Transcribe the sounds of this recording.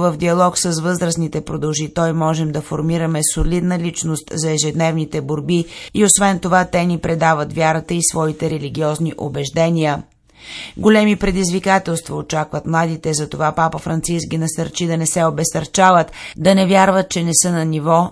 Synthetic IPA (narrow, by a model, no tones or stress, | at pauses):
vəvd̪iɐlˠɔksəsvɤzɾəsnit̪ɛpɾod̪ɐlˠʒit̪ɔjmɔʒɛmd̪ɐfoɾmiɾəmɛsolid̪nəlit͡ʃnost̪zɐɛʒɛd̪nɛvnit̪ɛboɾbiiosvɛnt̪ovat̪ɛnipɾɛd̪avət̪vʲjaɾət̪əisvɔit̪ɛɾɛliɡ̟ʲiɔzniʔobɛʒd̪ɛniə | ɡolʲɛmipɾɛd̪izvikat̪ɛlˠst̪vɐot͡ʃakvət̪mlˠad̪it̪ɛzɐt̪ovapapəfɾɐnt̪siskʲinɐsɐɾt͡ʃid̪ɐnɛsɛobɛst̪ɐɾt͡ʃavət̪d̪ɐnɛvʲjaɾvət̪̚t͡ʃɛnɛsɤnɐnivɔ